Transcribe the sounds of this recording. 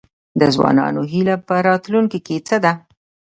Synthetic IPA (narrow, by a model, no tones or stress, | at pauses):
d̪əzwɑ̰nɑ̰noɦilapəɾɑt̪luŋkiket͡səd̪a